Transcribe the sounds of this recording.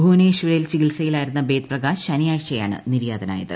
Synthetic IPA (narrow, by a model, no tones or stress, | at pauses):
bʱuːneɕʋɐɾɐjilt͡ɕiɡilsɐjilaːjiɾunːɐbe̞ːt̪̚prɐɡaːɕɐnijaːɻt͡ɕːɐja̰ːɳɨ̰niɾjaːd̪ɐna̰ːjɐðɨ̰